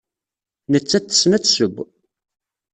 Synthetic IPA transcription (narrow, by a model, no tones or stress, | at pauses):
nət͡sːæt͡s̪ːə̥snæt͡sːsəɡʷː